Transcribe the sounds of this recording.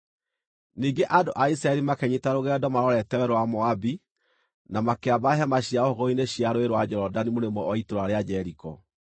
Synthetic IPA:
niːɡeʔadoʔaisɾaɛɾimakɛɲitaɾoɣɛdɔmaɾɔɾɛtɛwɛɾwamɔabi | namakeabaɦɛmaɕiaohɔɣɔineɕjaɾoeɾwad͡ʒɛɾɔdanimoɾemɔɔitoɾaɾead͡ʑɛɾikɔ

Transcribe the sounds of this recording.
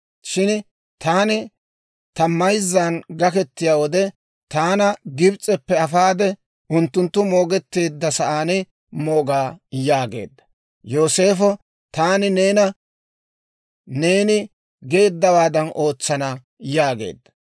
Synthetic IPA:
ʃɪn | t̪aːnɪ | t̪ɐmːɐjzːaːnɡɐkɛt̪ːɪjaːwɔd̪ɛ | t̪aːnɐɡɪbt͡sʼɛpːɛɐfaːd̪ɛ | ʔʊnt̪ːʊnt̪ːʊmo̞ːɡɛt̪ːe̞ːd̪ːɐsɐʔaːnɪ | mo̞ːɡaːjaːɡe̞̰ːd̪ːɐ̥ | jo̞ːse̞ːfɔ | t̪aːnɪne̞ːnɐ | ne̞ːnɪ | ɡe̞ːd̪ːɐwaːd̪ɐnʔo̞ːt͡sːɐnɐ | jaːɡe̞̰ːd̪ːɐ̥

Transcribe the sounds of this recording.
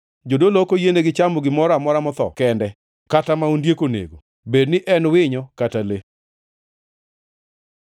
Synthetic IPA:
d͡ʒodolokojeneɡɪt͡ʃamoɡɪmɔɾamɔɾamɔt̪ɔ̰kɛndɛ | katamaundjekonḛɡo | bednɪʔɛnwɪɲɔkatale

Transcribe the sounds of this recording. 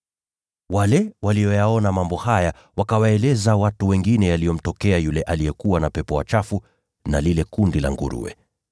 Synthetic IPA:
walɛwalijɔjaɔnamambɔhaja | wakawaɛlɛzawatuwɛŋɡinɛjalijɔm̩tɔkɛajulɛʔalijɛkuwanapɛpɔwa̰t͡ʃafu | nalilɛkundila̰ŋɡṵɾṵɛ̰

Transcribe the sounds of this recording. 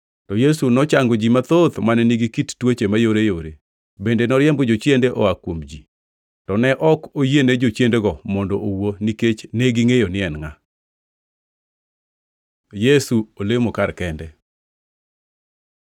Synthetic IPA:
tɔjesunɔt͡ʃaŋɡod͡ʒimat̪ot̪manɛniɡikittwot͡ʃemajoɾejoɾe | bendenɔɾjɛmbɔd͡ʒot͡ʃjendeʔɔ̰akwomd͡ʒi | tɔnɛʔɔkojenɛd͡ʒot͡ʃjendeɡɔmɔndɔʔowoniket͡ʃneɡiŋejonɪɛnŋa | jesuolemokarkɛndɛ

